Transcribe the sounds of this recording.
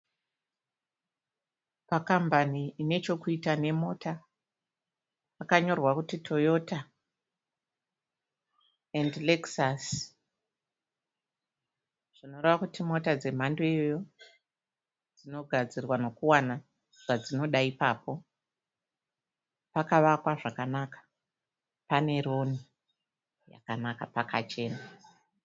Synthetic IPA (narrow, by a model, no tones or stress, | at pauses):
pakambaniːne̞t͡ʃo̞kuitane̞mo̞ːtʰa | pakaɲo̞rwakutitʰo̞jo̞ta | endleksas | ʐ̥ino̞reʋakutimo̞tad͡ze̞m̤andoijojo̞ | d͡zino̞ɡʱad͡zirwano̞kuwana | ʐ̥ad͡zino̞ɗaipaːpo̞ | pakaʋakwaʐakanakḁ | pane̞ɾo̞ni | ja̰kanakapakat͡ʃe̞ːna